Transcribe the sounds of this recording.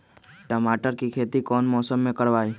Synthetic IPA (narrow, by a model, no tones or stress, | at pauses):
ʈəmaːʈəɾkikʰeːt̪ikɔːnmɔːsəmːẽkəɾʋaːi